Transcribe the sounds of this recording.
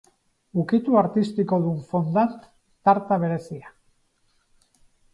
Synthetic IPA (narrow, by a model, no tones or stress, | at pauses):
ukit̪uaɾt̪ist̪iko̞ðuɱfond̪ant̪ː | aɾt̪aβ̞e̞ɾe̞sia